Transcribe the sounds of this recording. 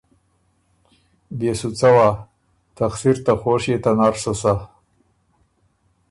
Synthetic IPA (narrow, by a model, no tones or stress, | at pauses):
besut͡sawa | t̪axsiɾt̪axoʂet̪anaɾʂasa